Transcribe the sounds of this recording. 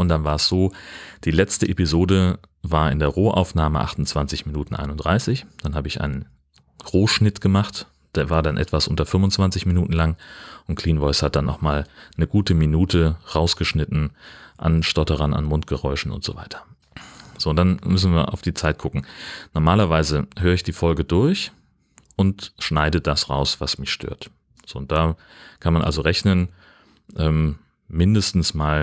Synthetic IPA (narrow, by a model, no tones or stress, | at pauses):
ʊntd̥anvaːɐɛsz̥oːd̥iːlɛt͡stəʔepizoːdə | vaːɐʔɪ̰ndeːɐʁoːʔa̰ʊfnaːməʔa̰χtʊn̩t͡sv̥ant͡sɪçminuːtn̩ʔa̰ɪnʊnd̥ʁaɪsɪçd̥anɦaːbəɪçʔa̰ɪnən | ʁoːʃnɪtɡ̥əmaχt | d̥eːɐvaːɐdanʔɛ̰tv̥asʔʊntɐfʏmʊnt͡sv̥ant͡sɪçminuːtn̩laŋʔʊntkʰl̥iːnvɔɪshat̚d̥anːɔχmaːlnəɡuːtəminuːtʰəʁaʊsɡ̥əʃnɪtn̩ʔa̰nʃtɔtəʁɐna̰nmʊnt̚ɡ̥əʁɔʏʃn̩ʔʊ̰ntz̥o̰ːva̰ɪtʰɐ̥ | z̥oːnd̥anmʏs̬n̩viːɐʔa̰ʊfd̥iːt͡saɪt̚ɡ̥ʊkŋ̩nɔɐmaːlɐvaɪzəhøːʁəɪçd̥iːfɔlɡədʊɐç | ʔʊntʃnaɪdədasʁa̰ʊsv̥asmɪçʃtʰø̰ːɐt | z̥oːʊnd̥aː | kʰanmanʔa̰lzoʁɛçnən | ʔɛːm | mɪndəstn̩smaːl